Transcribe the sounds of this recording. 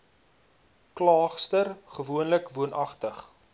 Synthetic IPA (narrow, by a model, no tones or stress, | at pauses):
klɑːχstərχəvuənləkvuənʔɐχtəχ